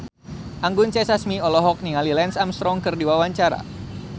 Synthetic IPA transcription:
ʔaŋɡʊnt͡ʃɛsasmiɔlɔɦɔk̚niŋalilɛnsamst̪ɾɔŋkɨrdiwawaɲt͡ʃaɾa̰

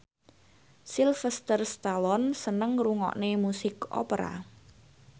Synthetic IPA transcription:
silfɛst̪ərst̪alɔnsənəŋruŋɔ̰ʔnemusɪkɔ̰pəɾa̰

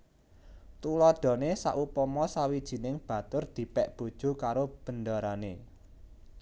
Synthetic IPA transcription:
t̪ulɔd̥ɔ̤nesa̰ʔupɔmɔsawid̥ʒ̥i̤nɪŋb̥ä̤t̪ʊrd̪̥i̤pɛʔb̥o̤d̥ʒ̥ṳkaɾob̥ə̤ndaɾane

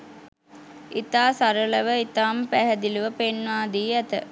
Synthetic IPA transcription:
it̪aːsaɾələʋəit̪aːmpæɦɛd̪iluʋəpenʋaːd̪iːæt̪ə̰

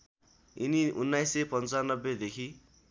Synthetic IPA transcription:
iniʔunːajsepʌnt͡sanːʌbːed̪ekʰi

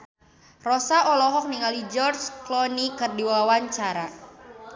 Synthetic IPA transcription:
rɔsaʔɔlɔɦɔk̚niŋalid͡ʒɔrt͡ʃklɔnikɨrdiwawaɲt͡ʃaɾa

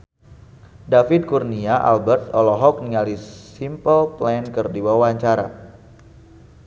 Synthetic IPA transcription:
dafɪd̪̚kurniaʔa̰lbɛrt̪̚ɔlɔɦɔk̚niŋalisimpəlplɛnkərdiwawaɲt͡ʃaɾa̰

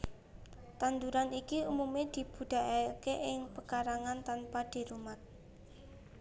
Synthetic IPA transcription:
t̪and̪uɾanikiumumed̪̥i̤b̥ṳd̪̥a̤ʔakeʔɪŋpəkaɾaŋant̪anpad̪̥e̤ɾumat̪̚

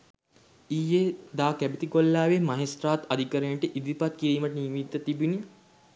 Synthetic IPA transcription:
ijːed̪aːkæbit̪ikolːaːʋemaɦesɾaːt̪ad̪ʱikəɾeɳʈəʔid̪ipat̪̚kiɾiːməʈənimit̪ːət̪ibini

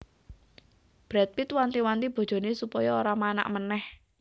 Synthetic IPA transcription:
b̥ɾɛt̪̚wit̪want̪iwant̪ib̥o̤̥d͡ʒ̥o̤nesupɔjɔoɾamana̰ʔmənɛh

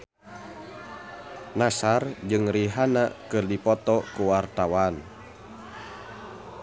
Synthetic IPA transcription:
nasard͡ʒɨŋriɦanakɨrdipɔt̪ɔkuwart̪awan

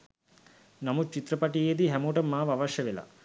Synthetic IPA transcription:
namut͡ʃit̪ɾəpaʈijed̪iɦæmoʈəmːaːʋaʋaʃjəʋela̰

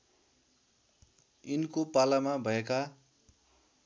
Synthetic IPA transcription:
inkopalamabʱʌeka

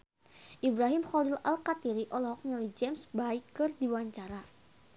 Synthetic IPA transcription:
ʔibɾaɦimxɔlila̰lkat̪iɾiʔɔlɔhɔk̚ɲalid͡ʒɛmsbaikːɨrdiwaɲt͡ʃaɾa

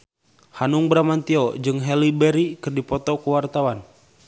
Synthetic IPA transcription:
hanuŋbɾamant̪iɔd͡ʒɨŋɦɛlibɛɾikɨrdipɔt̪ɔkəwart̪awan

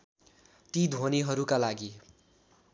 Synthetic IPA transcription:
t̪id̪ʱoniɦʌɾukalaɡi

